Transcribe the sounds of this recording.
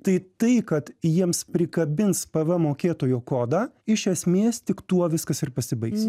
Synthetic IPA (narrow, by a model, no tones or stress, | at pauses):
t̪ɐɪt̪ɐɪkɐt̪jiɛmspʲɾʲɪkɐbʲɪnspɐʋɐmoːkʲeːt̪oːjoːkoːd̪ɑːɪʃʲɛsʲmʲeːst̪ʲɪkt̪uɔʋʲɪskɐsɪrpɐsʲɪbɐɪks